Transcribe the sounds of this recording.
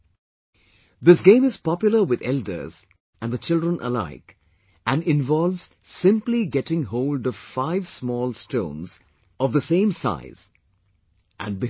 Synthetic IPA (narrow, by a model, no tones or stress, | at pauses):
ðɪs̬ɡẽɪ̃mɨz̥pɑpjʊlˠəwɨðɛldə̰˞z̥ | ʔɨ̃nðət͡ʃɪldɹə̃nʔə̰la̰ɪk | ɨ̃nɪ̃nvɔlˠvz̥ | sɪ̃mpliɡɛtɪ̃ŋɦoʊlɖʌv̥faɪvsmɔːlˠstõʊ̃nz | ɔvðəsẽɪ̃msa̰ɪz̥ | ʔɨ̰̃nbɪ